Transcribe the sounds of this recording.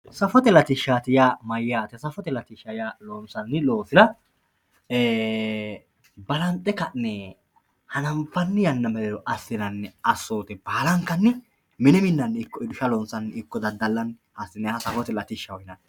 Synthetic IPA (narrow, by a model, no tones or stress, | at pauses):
sɐfɔt̪ɛlɐt̪ɪʃaːt̪ɪjamɐjːaːt̪ɛsɐfɔt̪ɛlɐt̪ɪʃɐjalonsɐnːɪloːsɪd̪ɐ | eː | bɐlɐnt̪ʼːɛkɐnːɛ | hɐnɐmfɐnːɪjɐnːɐmɛlɛɾɔʔɐsːɪnɐnːɛɐsːoːt̪ɛb̥aːlɐŋkːɐnːɪ | mɪnɛmɪnːɐnːɪkːɔɪd̪ʊʃɐlɔnsɐnːɪkːɔd̪ɐd̪ɐlːɐnhɐsːɪnɛhɐsɐfɔt̪ɛlɐt̪ɪʃːɐwɔjɪnɐ